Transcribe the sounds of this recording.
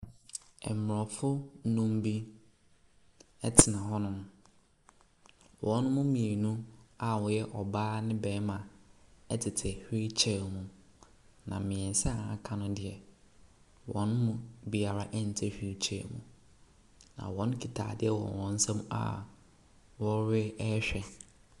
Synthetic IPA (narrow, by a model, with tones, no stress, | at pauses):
ɛ̰˨m˨mʊ˨ɔ˨fʊ˦nũ˦m˦bi˦ | ɛ˦tʰɪ˨nã˨hɔ˦nʊ̃˦m | wʔɔ̃˨nʊ̃˦mʊ̃˦mĩ˨e˨nũ˦a˨wɔ̃˨jɛ˦ʔɔ˨baː˦nɪ̃˦bɛː˨˦mã˨ɛ˦tʰɪ˨tʰɪ˨hᶣi˦t͡ɕʰɛ˨mũ˨ | nã̰˨mɪ̃˨ɛ˨n˨sɛ˦a˨a˨kʰã˦nʊ̃˦dɪ˨ɛ˨ | wɔ̰̃˨nʊ̃˦mʊ̃˨bi˨a˨ɾa˦ʔɛ˦n̩˨tʰɛ˦ɕᶣi˦t͡ɕʰɛ̰˨mṵ̃˨ | nã̰˨wɔ̃˦n˦kʰi˨tʰa̰ː˨dɪ˦ɛ˨wɔ̰̃˨wɔ̃˨n̩˦sɛ̃˦m̃˦a̰˨ | wɔ˦ɾɪ˦ɛ˦ɕᶣɛ˨